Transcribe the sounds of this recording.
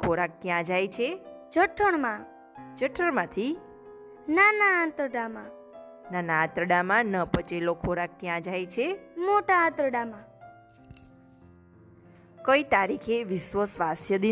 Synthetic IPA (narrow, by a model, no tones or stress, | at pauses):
kʰoɾak̚t̪jãd͡ʒajt͡ʃʰed͡ʒʱəʈʰəɳmã | d͡ʒəʈʰəɳmãt̪ʰi | nanaãt̪ɾəɖamã | nanãːt̪ɾəɖamãnəpət͡ʃelokʰoɾak̚t̪jãd͡ʒajt͡ʃʰemoʈaãt̪ɾəɽamã | kəit̪aɾikʰeʋɪʃʋəsʋasjəd̪i